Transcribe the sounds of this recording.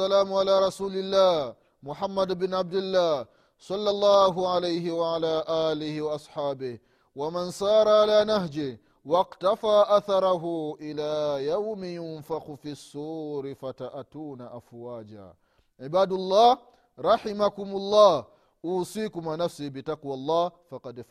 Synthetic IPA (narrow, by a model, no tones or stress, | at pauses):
alaːmʕalaːɾˤɑsuːlɪlːaːh | mʊħamːad̪bɪnʕab̚d̪ɪlːaː | sˤɑlːɑlˤːaːɦʊʕalajhɪwaʕalaːʔaːlɪhɪwaʔɑsˤħaːbɪh | wamansɑːɾˤɑʕalaːnahd͡ʒɪ | wɑqtafaːʔaθɑɾˤɑɦuʔɪlaːjawmɪjʊnfaqʊfisːuːɾɪfataʔatuːnaʔafwaːd͡ʒa̰ː | ʕɪbaːdʊlˤːɑː | ɾˤɑħɪmakʊmʊlˤːɑːh | ʔuːsiːkʊmanafsibɪtaqwalˤːɑːfɑqɑd̪f